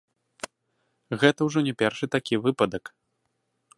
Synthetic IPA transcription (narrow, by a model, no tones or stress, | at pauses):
ɣɛt̪ɐwʐɔnʲɛpʲɛrʂɨt̪akʲivɨpɐd̪ɐk